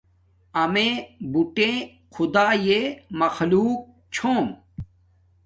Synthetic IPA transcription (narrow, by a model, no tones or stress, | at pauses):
ɐmẽːbuʈẽ | xʰʊd̪aːjemɐxluːk̚ | t͡ɕʰoːm